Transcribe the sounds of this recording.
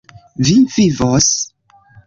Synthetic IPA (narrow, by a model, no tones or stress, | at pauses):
vivivos